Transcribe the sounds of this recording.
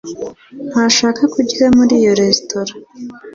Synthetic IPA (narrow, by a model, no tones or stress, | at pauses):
n̥haʃaːkakuɟiɾamuɾijo̞ɾe̞stʰoɾa